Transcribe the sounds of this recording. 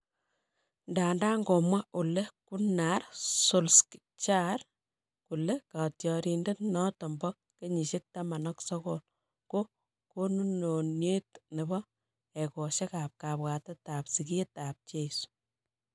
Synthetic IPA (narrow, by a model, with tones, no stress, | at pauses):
ndaː˨ndaː˦ŋɡo˨mwa˦u˨le˦kunaɾso˨lski | t͡ʃaɾ | ku˨le˦katjɔ˨ɾinde˦tnɔ˦tɔ˨mbɔk̚ːe˦ɲi˨ʃe˦k̚tama˨nɔksɔ˦kol | ɡ̥o˦ | ko˦nu˦no˨nje˦tne˨bɔ | eko˨ʃe˦ka˨p̚kapwa˨tɛ˦tapsi˨k̬ietap̚t͡ʃesu̥